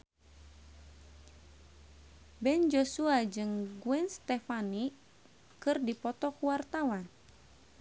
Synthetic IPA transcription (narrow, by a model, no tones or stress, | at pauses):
bɛnd͡ʒosuad͡ʒɨŋɡuɛnst̪ɛfani | kɨrdipɔt̪ɔkuwart̪awan